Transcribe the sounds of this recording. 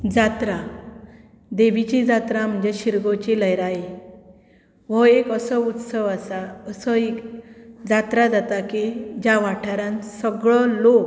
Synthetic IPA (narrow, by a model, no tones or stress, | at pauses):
d͡zat̪ɾa | d̪eʋit͡ɕid͡zat̪ɾam̤əɳd͡ʑeɕiɾɡot͡ɕiləjɾaje | ʋ̤ɔekəsəut̪səʋasaəsəekd͡zat̪ɾad͡zat̪akid͡ʑaʋaʈʰaɾãnsəɡɭɔlok